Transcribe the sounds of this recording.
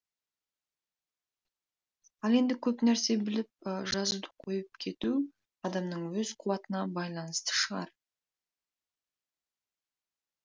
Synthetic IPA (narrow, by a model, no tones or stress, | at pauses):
ɑlˠe̞nd̪ɪkʲʰɵpnæɾse̞bɪlɪp̚ʒɑzud̪əqʰo̞jəp̚kʲʰe̞t̪u | ɑd̪ɑmnəɴwɵzqʰʊwɑt̪ənɑbɑjlˠɑnəst̪ə̥ʃəʁɑ̰ɾ